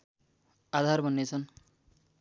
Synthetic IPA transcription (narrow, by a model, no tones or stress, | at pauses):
ad̪ʱaɾbʌnːet͡sʰʌn